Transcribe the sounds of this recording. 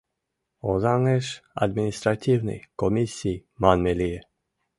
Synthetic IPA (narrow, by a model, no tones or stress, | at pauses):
ozaŋɛʃa̰d̪minist̪ɾat̪ʲiwnɛ̰jkɔmisiːmanmɛliɛ